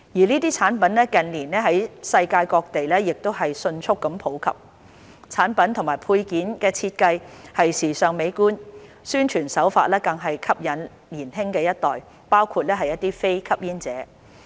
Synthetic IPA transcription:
jiː˨˩liː˥t̪iː˥t͡sʰaː˨˥npɐ˨˥nlɛː˥kɐ˨nliː˨˩nɛː˥ɦɐ˨˥jsɐ˧jkaː˧jkɔː˧k̚t̪e˨jlɛː˥jɪ˨k̚t̪o˥wɦɐ˨jsɵ˧nt͡ʃʰʊ˥kːɐ˨˧˥mpʰo˨˥wkʰɐ̰˨p̚ | t͡sʰaː˨˥npɐ˨˥nt̪ʰʊ˨˩ŋmaː˨˩jpʰuː˧jkiː˨˥nkɛː˧t͡sʰiː˧t̚kɐ˧jhɐ˨jsiː˨˩sœː˨˩ŋme˨˧˥jkuː˥n | syː˥nt͡ʃʰyː˨˩nsɐ˨˥wfaː˧t̚lɛː˥kɐ˧ŋɦɐ˨jkʰɐ˥p̚jɐ˨˥n | liː˨˩nɦɪ˥ŋkɛː˧jɐ˥t̚t̪ɔː˨j | paː˥wkʰuː˧t̚lɛː˥ɦɐ˨jːɐ˥t̚t̪iː˥fe˥jkʰɐ˥p̚jiː˥nt͡sɛː˨˥

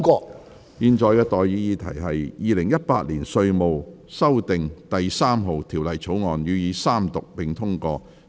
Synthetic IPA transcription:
kɔː˧ | jiː˧nt͡ʃɔː˨˧jkɛː˧t̪ɔː˨jjiː˨˥jiː˧t̪ʰɐ̰˨˩jɦɐ˨jjiː˨˧lɪ˨˩ŋjɐ˥t̚paː˧t̚liː˨˩nsɵ˧ɥmo˨w | sɐ˥wt̪ɪ˨ŋt̪ɐ˨jsaː˥mɦo˨wt̪ʰiː˨˩wlɐ˨jt͡sʰo˨˥wŋɔː˨njyː˨˧jiː˨˧saː˥mt̪ʊ˨k̚pɪ˨˩ŋt̪ʰʊ˥ŋkɔː˧

